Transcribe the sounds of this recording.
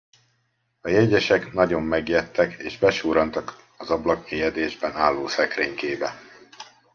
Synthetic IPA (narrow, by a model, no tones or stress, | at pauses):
ɒjɛɟɛʃɛknɒɟo̞mːɛɡjɛt̪ːɛkḛːʒbɛʃuːɾɒnt̪ɒk | ɒzɒblɒkmeːjɛd̪eːʒbɛnaːlːoːsɛkreːɲkeːbɛ